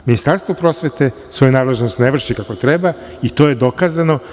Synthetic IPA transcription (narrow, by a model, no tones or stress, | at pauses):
minist̪aɾst̪ʋopɾo̞sʋet̪e | sʋo̞junaːd̪le̞ʒnost̪neʋr̩ʃikako̞t̪ɾeba | it̪o̞je̞d̪o̞kazano̞